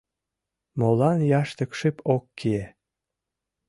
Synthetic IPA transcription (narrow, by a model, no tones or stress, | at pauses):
molɑnjɑʃt̪ə̆kʃɨpʰokːie